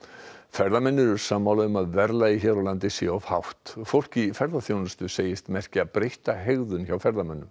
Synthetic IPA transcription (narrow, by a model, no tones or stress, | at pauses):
fɛɾðamɛnːʏɾʏɾ̥saːmːawlaɣʏmaðvɛɾlaiçɛːɾalant̪ɪsjɛɔv̥hawht̪fowl̥cifɛɾðaθjownʏst̪ʏseːjɪst̪mɛr̥cɪaðpɾejht̪aɦeɣðʏnçawfɛɾðamɛnːʏm